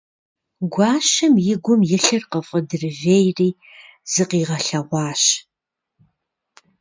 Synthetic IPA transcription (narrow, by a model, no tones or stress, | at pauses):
ɡʷɑːʃɐmjɪɡʷʊmjɪɬɨrqəfʼədɨrɨveːjriː | z̥ɨqiːʁɐɬɐʁʷɑːɕ